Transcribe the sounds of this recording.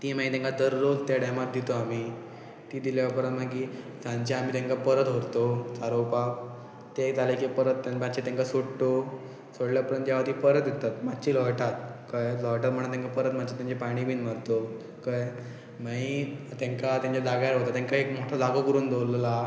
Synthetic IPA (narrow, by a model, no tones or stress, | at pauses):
t̪iːm̤aĩt̪ẽŋkad̪əɾːod͡zt̪jaɽamat̪̚d̪it̪oami | t̪iːd̪iljaʋapəɾənt̪maɡi | d͡zãɲt͡ɕeam̤iːt̪ẽŋkapəɾət̪ɦoɾt̪ot͡saɾowpak̚ | t̪ed͡zalekepəɾət̪ːamat͡ɕet̪ẽŋkasoɽt̪o | soɽljapəɾənt̪jaʋat̪iːpəɾət̪d̪et̪at̪mad̪t͡ɕilɔɭʈat̪̚kəjlɔʈat̪̚məɽ̃at̪ãŋkapəɾət̪mad̪t͡ɕat̪jãɲt͡ɕepaɽ̃iːbʱiːnməɾt̪o | kəj | mait̪ẽŋkat̪jãɲt͡ɕad͡zaɡaɾɦot̪at̪ãŋkaekmoʈʰad͡zaɡokəɾuːnd̪ʱowləla